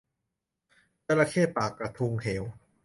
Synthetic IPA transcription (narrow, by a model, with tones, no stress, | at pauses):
t͡ɕa˧la˧kʰeː˥˩paː˨˩kːɾa˧t̪ʰu˧ŋhe˩˦w